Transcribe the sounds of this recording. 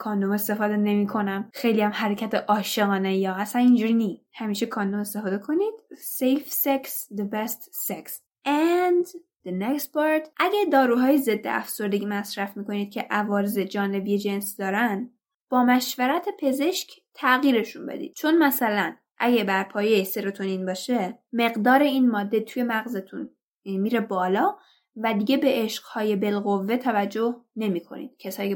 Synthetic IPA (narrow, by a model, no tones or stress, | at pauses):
kʰɒːnd̪o̞me̞st̪e̞fɒːd̪e̞ne̞miːkʰo̞næmxe̞jliæmhæɾecʰæt̪ʰeʔɒːʃe̞ɣɒːnejɒːæsænind͡ʒuːɾiːniːs | hæmiːʃekʰɒːnd̪ome̞st̪e̞fɒːd̪ekʰo̞niːd̪̥sejfseksd̪ebest̪seks | ʔænd̪ | d̪enekst̪̚pɑɾt̪ʰʔæɟæd̪ɒːɾuːɦɒːjeze̞d̪ːḛʔæ̰fso̞ɾd̪eɟimæsɾæfmiːkʰo̞niːd̪̚cʰe̞ʔævɒːɾezed͡ʒɒːne̞bijed͡ʒe̞nsd̪ɒːɾænd̪ | b̥ɒːmæʃvæɾæt̪ʰepʰe̞ze̞ʃcʰt̪ʰæɣiːɾe̞ʃunbḛd̪ḭːd̪̥̚t͡ʃʰo̞nmæsælæn | ʔæɟebæɾpʰɒːjese̞ɾo̞t̪ʰoniːnbɒːʃe̞me̞ɣd̪ɒːɾe̞inmɒːd̪ːet̪ʰuje̞mæɣzet̪ʰun | miːɾe̞bɒːlɒː | væd̪iɡe̞be̞ʔeʃɢ̥hɒːje̞be̞lɣo̞vːe̞t̪ʰævæd͡ʒːo̞hne̞miːkʰo̞̰nḭːd̪̥cʰesɒːjie